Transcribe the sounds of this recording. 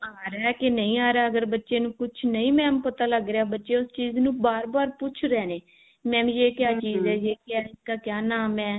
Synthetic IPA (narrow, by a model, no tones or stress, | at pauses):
aːɾɛːkenəĩːaːɾaːəɡəɾbətːʃeːnũːkʊt͡ʃʰnəĩːmɛ̃ːmpət̪aːləɡɾeaːbətːʃeːʊst͡ʃiːznũːbaːɾbaːɾpʊt͡ʃʰɾɛːneː | mɛ̃ːʋĩːeːkjaːt͡ʃiːzɛːjeːkaːɪskaːkjaːnaːmɛ̃ː